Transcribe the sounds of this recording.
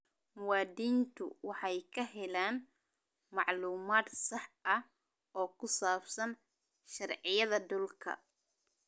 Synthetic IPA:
mʊwɑːd̪iːnt̪ʰʊ̰wɑħɑjkʰɐɦɛlaːn | mɑʕluːmaːd̪sɑħɐ | ʔɔːkʰʊsaːbsɐn | ʃɐrʕɪjɐðɐd̪ʊlkʰɐ̰

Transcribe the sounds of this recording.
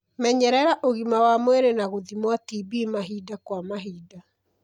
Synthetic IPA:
mɛɲɛɾɛɾaʔoɣimawamwɛɾenaɣoðimwatibiːmaɦidakwamaɦiːda

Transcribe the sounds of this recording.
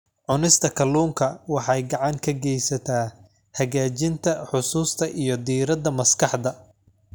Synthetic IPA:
ʕʊnɪst̪ʰɐkʰɐluːŋkʰɐwɑħɑjɡɑʕɑŋkʰɐɡɛjsɐt̪ʰaː | hɐɣaːt͡ʃɪnt̪ʰɐħʊsuːst̪ʰɐʔijɞd̪iːɾɐd̪ɐmɐskʰɑħd̪ɐ

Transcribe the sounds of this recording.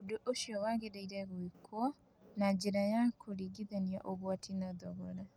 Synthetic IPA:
odoʔoʃiɔwaɣedaiɾɛɣwikwɔ | nad͡ʒeɾajakʰoɾiɡiðania̰ʔoɣwatʰinaðɔɣɔɾa

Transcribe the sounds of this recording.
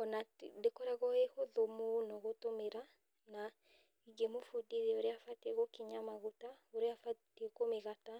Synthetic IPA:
ɔnadekɔɾaɣɔehoðomonɔɣotomeɾa | na | iɡemofodiɾeoɾeafateɣokiɲamaɣotaoɾeafatekomeɣata

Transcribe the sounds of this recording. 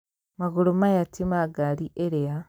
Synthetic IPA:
maɣulomajatimaɡaliʔeɾea

